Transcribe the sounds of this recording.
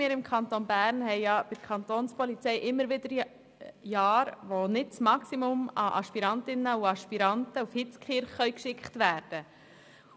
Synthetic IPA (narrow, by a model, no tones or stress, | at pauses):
mɪːɾɪmkʰχɑnt̪onbæːɾnhɛɪjɑb̥ɪ̥kʰɑnt̪oːnspɔlit͡sɛɪʔɪmːəɾʋɪd̥əɾ | jɑːɾʋonɪt̚t͡smɑksimʊmɑʔɑ̰ʃpiɾɑntɪnəuɑʃpiɾɑntəufhɪt͡skχɪɾχːœɥkʃɪkχtʋæːɾd̥ə